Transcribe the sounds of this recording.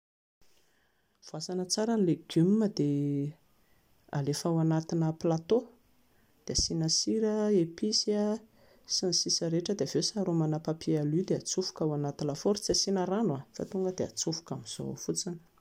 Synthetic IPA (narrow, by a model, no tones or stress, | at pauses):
v̥uasanət͡saɾanileɡymːəd̪̥e | a̰lefawanat̪inəplat̪o | d̪̥easinəsiɾəepisia | sinisisəɾeʈ͡ʂəd̪eavesaɾumanapapʰialid̪eat͡sufu̥kawanat̪ilafoɾt͡siasinəɾanwafa̰t̪uŋɡəd̪ea̰t͡sufu̥kamiz̥o̰fut͡sinə̥